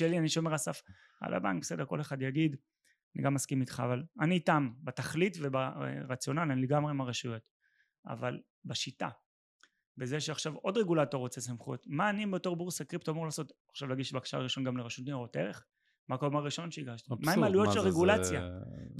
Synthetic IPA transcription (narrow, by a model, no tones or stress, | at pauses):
elianiʃo̞me̞ʁasaf | a̰lʔa̰ba̰ŋk̚bese̞deʁko̞leχad̪jaɡid | anḭɡamːaskimit̪χa̰ːvalaniːtambetaχlitveba̰ʁat͡sjo̞nalanileɡamʁemaʁeʃujo̞t | a̰val | baʃita̰ | bezeʃeaχʃavo̞d̪ʁeɡulato̞ʁot͡sesamχṵotmaːnimbeto̞ʁbuʁsakʁiptamolaːso̞taχʃavlaɡiʃbakḁʃa̰aʁiʃo̞nɡamleʁeʃut̪nioʁoteʁeχ | mako̞maʁiʃo̞nʃeiɡaʃtimaimalujoʃelʁeɡulat͡sja